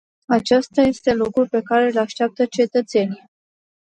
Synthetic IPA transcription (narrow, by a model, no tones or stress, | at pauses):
at͡ʃast̪aje̞st̪e̞lokɾupe̞kaɾe̞laʃt̪eap̚t̪ət͡ʃe̞t̪ət̪se̞nij